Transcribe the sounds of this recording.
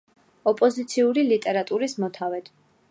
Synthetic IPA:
ɔpʼɔzit̪sʰiuɾilit̪ʼɛɾat̪ʼuɾismɔt̪ʰavɛt̪ʰ

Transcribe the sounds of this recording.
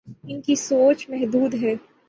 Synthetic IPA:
ɪnkisoːt͡ʃmɛɦd̪uːd̪ɦɛː

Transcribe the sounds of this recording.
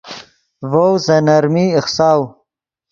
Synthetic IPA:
vowzɐnɐɾmiɪxsaːw

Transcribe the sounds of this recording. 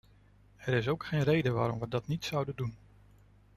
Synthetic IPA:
ɛɾɪs̬owkχejnrejdəʋaːɾɔmʋədɑtnitsʌwdəndun

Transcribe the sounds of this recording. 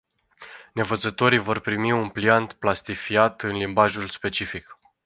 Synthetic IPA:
ne̞vət̪zət̪o̞ɾijvo̞rpɾimiunpliant̪plast̪ifiat̪ɨnlimbaʒulspe̞t͡ʃifik

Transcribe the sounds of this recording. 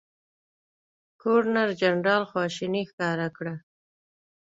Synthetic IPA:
kʰoɾnaɾd͡ʒanɾɑlxwɑʃinixkɑɾakɽa

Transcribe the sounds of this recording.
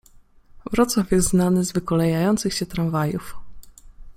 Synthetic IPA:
vɾɔt̪swafʲjɛst̪znanɘzvɘkɔlɛjajɔnt̪sɘxɕɛt̪ɾãɱvajṵf

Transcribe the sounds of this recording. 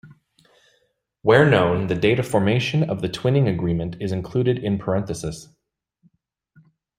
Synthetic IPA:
wɛɹnõʊ̃nðɨdeɪɾɨfɔɹmeɪʃɨ̃nʌvðɨtʰw̥ɪ̃nɪ̃ŋɨɡɹĩmɨ̃ntʰɨzɨ̃nkʰl̥ʉɾɨɾɪ̃npʰə˞ɛ̃nθɨsɨs

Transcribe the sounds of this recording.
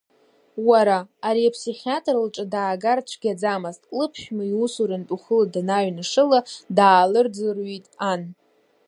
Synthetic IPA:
waɾaːɾiapʰsiχʲatʼrɨlʈ͡ʂʼadaːɡart͡ʃʷʰɡʲad͡zamaztʼkʼlɨpʰʃʲᶣmaiwusuɾantʼuχəladanaɥnɨʂɨladaːlɨrd͡zɨrɥitʼan

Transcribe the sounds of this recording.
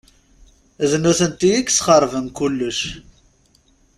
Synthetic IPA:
znuθənt̪ijikːsχəɾˤvəmkulːəʃ

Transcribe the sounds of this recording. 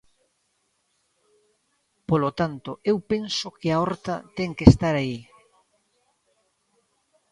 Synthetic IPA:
polot̪ant̪oʔewpensokɪaɔɾt̪at̪ɛŋkest̪aɾai

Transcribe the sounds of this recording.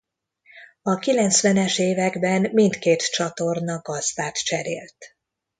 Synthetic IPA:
ɒkilɛnt̪sʋɛnɛʃeːvɛɡbɛnmint̪keːt̪t͡ʃɒt̪o̞rnɒɡɒzd̪aːt̪t͡ʃɛɾeːlt̪

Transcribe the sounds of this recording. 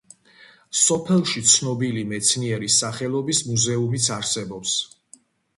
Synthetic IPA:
sɔpʰɛlˠʃit̪sʰnɔbilimɛt̪sʰniɛɾisaχɛlˠɔbismuzɛumit̪sʰaɾsɛbɔps

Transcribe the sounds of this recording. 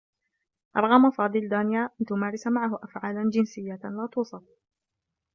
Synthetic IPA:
ʔɑɾˤɣɑmafɑːd̪ˤɨld̪aːnɪjaːʔant̪ʊmaːɾˤɪsamaʕaɦʊʔafʕaːland͡ʒɪnsɪjːalaːt̪uːsˤɑf

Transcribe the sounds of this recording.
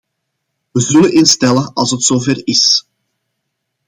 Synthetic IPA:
ʋəzɵlənʔɪnstɛlənɑlˠsətsoːvɛrɪs

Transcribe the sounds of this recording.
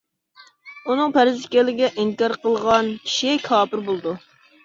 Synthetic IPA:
unɨŋpʰæɾɪzɪkʲɛlːɪɡʲɛʔiŋkɑɾqəlˠʁɑnkʲʰi̥ʃikʰɑːpɪɾbolˠɨd̪u

